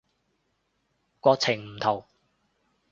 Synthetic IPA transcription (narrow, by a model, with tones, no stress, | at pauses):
kʷɔː˧k̚t͡sʰɪ˨˩ŋm̩˨˩t̪ʰo˨˩w